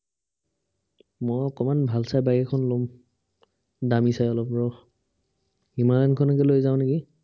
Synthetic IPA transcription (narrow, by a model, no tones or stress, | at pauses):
mɔjɔkɔmanbʱalsajbajɛkʰɔnlɔm | damisajɔlɔpɹɔ | imankʰɔnɔk̬ɛlojzaʊ̃neɡi